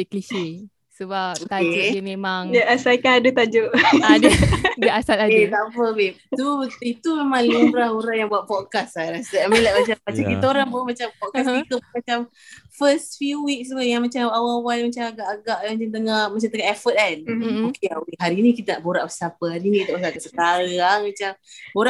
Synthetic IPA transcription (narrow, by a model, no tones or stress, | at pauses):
deklisi | səbapokaekmemaŋdaʔasakanadut̪ad͡ʒoʔaddəasat̪adet̪aʔpəbet̪uət̪it̪umemaŋlumɾahuɾaŋjaŋbuaʔ̚pɔt̚kasaɾasamelaʔmat͡ʃammat͡ʃamkit̪aoɾabəʔmat͡ʃampɔt̚kasikəmat͡ʃam | fəst̪fuwik̚swəjaŋmat͡ʃamawaawalmat͡ʃamaɡaʔaɡaʔamat͡ʃamt̪əŋahmat͡ʃamt̪əŋaʔɛfət̪̚anokeawiɦaɾiːnikit̪ənaʔboɾaʔbəsapəɦaɾinikit̪aʔbəsakasəkaɾamat͡ʃamoɾa